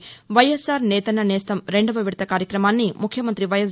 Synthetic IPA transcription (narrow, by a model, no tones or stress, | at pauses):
ʋɐjesaːɾnɛːt̪ɐnɐnɛːst̪ɐmɾe̞ɳɖɐʋɐʋiɽt̪ɐkaːɾjɐkɾɐmaːnːimukʰjɐmɐnt̪ɾiʋɐjɐs